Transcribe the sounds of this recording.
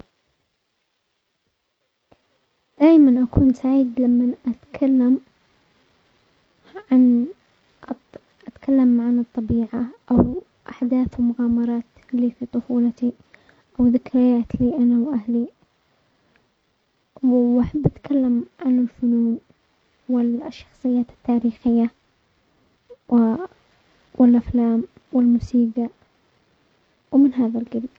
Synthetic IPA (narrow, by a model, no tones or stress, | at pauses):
d̪̥aːjmanʔakuːnsaʕiːd̪lamːanʔat̪kʰalːam | ʕan | ʔat̪kʰalːamʕanɨt̪ˤːɑbiːʕaʔaw | ʔaħd̪aːθwmʊɣaːmɑɾˤɑːt̪ | liːfiːt̪ˤʊfuːlat̪i | ʔawðɪkɾɪjaːt̪liːʔanawʔahli | ʔaħabːʔat̪kʰalːamʕanɪlfʊnuːn | wɪʃːɑ̥xsˤɨjːaːt̪ɪ̥t̪ːaːɾiːxɪjːa | wʔɪlʔaflaːm | wɪlmʊsiːɡa | wmɪnɦaːðalɡɪd̪